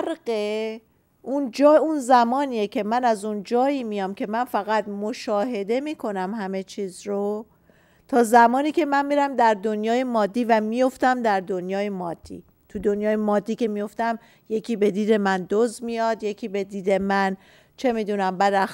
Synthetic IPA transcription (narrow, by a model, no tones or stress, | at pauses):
ɾɢe | ʔund͡ʒːunzæmɒːniːjecʰe̞mænæzund͡ʒɒːiːmijɒmcʰe̞mænfæɣæt̪mo̞ʃɒːɦe̞d̪e̞miːkʰo̞næmhæme̞t͡ʃʰiːzro | t̪ʰɒːzæmɒːniːcʰe̞mænmiɾæmd̪æɾd̪onjɒːje̞mɒːd̪ːiːvæmijo̞ft̪æmd̪æɾd̪o̞njɒːje̞mɒːd̪̥ːḭː | t̪ʰud̪o̞njɒːjemɒːd̪ːiːce̞mijo̞ft̪æm | je̞cʰiːbe̞d̪iːd̪e̞mænd̪ozmijɒd̪je̞cʰiːbe̞d̪iːd̪e̞mæn | t͡ʃʰe̞miːd̪unæmbæd̪æ